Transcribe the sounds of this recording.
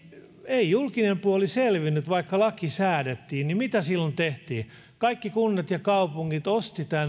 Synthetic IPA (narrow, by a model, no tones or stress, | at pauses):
eijulkinempuoliselʋinːyt̪ʋɑikːɑlɑkisæːdet̪ːiːnnimit̪æsilːont̪eht̪iː | kɑikːikunːet̪jɑkɑupuŋːit̪ost̪it̪æn